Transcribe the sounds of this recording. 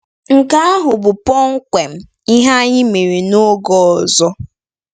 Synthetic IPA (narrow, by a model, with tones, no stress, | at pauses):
ŋ̩˨ka˦a˦ɦʊ˨bʊ˨pɔ˦ŋ̩˦kʷe˨m̩˦ | i˦ɦa˦ɲɪ˦me˨ɾi˨no˦ɡɔ˦˨zɔ˦